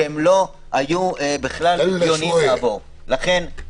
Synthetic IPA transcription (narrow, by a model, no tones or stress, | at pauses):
emlo̞ | ajuebeχlaljonimlavo | laχe̞n